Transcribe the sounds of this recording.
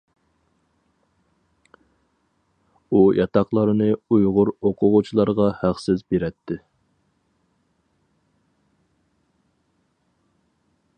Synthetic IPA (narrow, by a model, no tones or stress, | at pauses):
ujɑt̪ɑqlˠɑɾɨnɨujʁʊɾoqʰʊʁʊt͡ʃʰilˠɑɾʁɑhæqsɪzbeɾɛt̪ʰːɪ